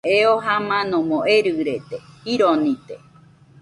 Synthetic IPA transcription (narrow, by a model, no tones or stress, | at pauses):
eoɦamãnõmõʔeɾɨɾet̪ehiɾonĩt̪ḛ